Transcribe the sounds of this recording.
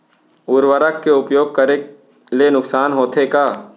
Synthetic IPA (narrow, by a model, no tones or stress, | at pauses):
ʊɾʋəɾəkːeʊpjoːɡ̚kəɾe | lenʊksaːnɦoːt̪ʰekaː